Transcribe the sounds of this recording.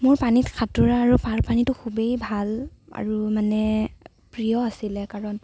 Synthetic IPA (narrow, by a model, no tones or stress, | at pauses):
mʊɹpanitkʰatʊɹaːɹupaɹpanitʊkʰubejbʱala̰ɹumanɛ | pɹijɔasilɛkaɹɔn